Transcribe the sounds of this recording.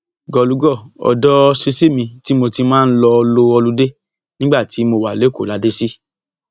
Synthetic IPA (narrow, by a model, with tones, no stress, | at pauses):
ɡɔ˨˧˨lu˨˦ɡɔ˦˨ɔ̰˨dɔ˦˧si˧si˦˨mĩ˧ti˨˦mo˧ti˧mãː˦˧n̩˦lɔ˧lo˧ɔ˧lu˦de˦ | nĩ˦ɡ͡ba˦˨ti˨˦mo˧wa˨le˨˦ko˦˨la˨˧˦de˦si˦